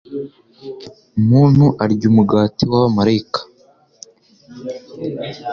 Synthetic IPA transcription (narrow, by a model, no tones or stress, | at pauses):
umuːn̥huʔaɾɟumuɡaːtiwaβamaɾaikḁ